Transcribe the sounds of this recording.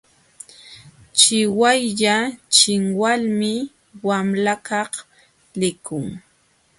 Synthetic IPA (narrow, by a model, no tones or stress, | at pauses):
t͡ʃɪwajʎat͡ʃɪŋwalmɪ | wamlakɑχ | lɪkʊŋ